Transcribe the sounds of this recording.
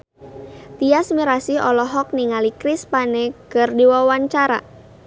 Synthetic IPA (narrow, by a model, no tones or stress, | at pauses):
t̪iasmiɾasiɔlɔɦɔk̚niŋalikɾispanɛkərdiwawaɲt͡ʃaɾa̰